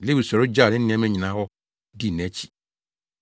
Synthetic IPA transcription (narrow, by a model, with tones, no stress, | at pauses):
le˦wu˨sɔ˨ɾʊ˦d͡ʒa˦˨nɪ̃˦nɪ̃˦mɛ̃˦ɲĩ˨nã˨˦hɔ˦ | di˦˨nɛ̃˦t͡ɕʰi̥˨